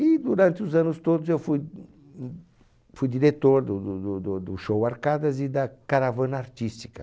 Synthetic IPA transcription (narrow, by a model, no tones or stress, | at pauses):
id̪uɾɐ̃nt̪ɪuzãnʊst̪od̪ʊzewfuj | fujd̪iɾet̪oɾd̪ʊd̪ud̪ud̪ʊd̪ʊʃowaɾkad̪ɐzid̪ɐkaɾavɐ̃nɐaɾt̪ist̪i̥kɐ